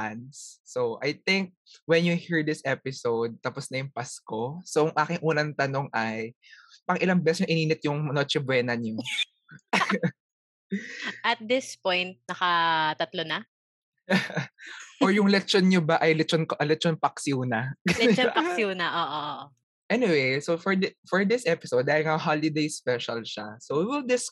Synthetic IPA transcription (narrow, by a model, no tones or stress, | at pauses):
ansːoʔɐajt̪ɪŋk̚wɛnjuhiɹd̪ɪsʔɛpɪsowd̪̚t̪ɐpɔsnɐjʊŋpaskosojʊŋʔaːkɪŋʔuːnɐnt̪ɐno̞ŋʔɐj | pɐŋʔɪlaŋbɛsɲoʔɪniːnɪt̪̚jʊŋmnot͡ʃɪbwɛːnɐɲo | ʔɐt̪̚d̪ɪspojnt̪̚nɐkɐt̪ɐt̪lonɐ | ʔoɹjʊŋlɛkt͡ʃonɲobaʔɐjlɛt͡ʃonkʔlɛt͡ʃɔnpɐksuːnɐlɛnpɐksunɐʔoːʔoʔo | ʔɛnɪwejsofɔɹd̪ɪfɔɹd̪ɪsʔɛpɪsowd̪̚ːaːhɪlŋɐɦalɪd̪ejspɛʃɐlʃasowiwɪld̪ɪs